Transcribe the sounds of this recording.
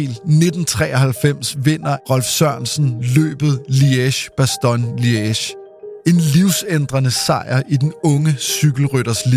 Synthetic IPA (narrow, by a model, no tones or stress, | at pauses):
lne̝d̥n̩t͡sʰʁɛ̰ːɐhælfem̰sʋe̝n̰ɐʁɒ̽lfsɶɐ̰nsn̩lø̰ːb̥ð̞̩ˠlieɕb̥æsd̥ɒnlieɕ | e̝nliʊsend̥ʁɐnəsɑ̈ɪɐʔid̥enɔ̽ŋəsyɡ̥l̩ʁyɾɐsli